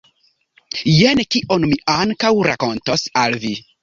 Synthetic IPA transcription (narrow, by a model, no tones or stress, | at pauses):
jenkiʔonmiaŋkawɾako̞ntosalvi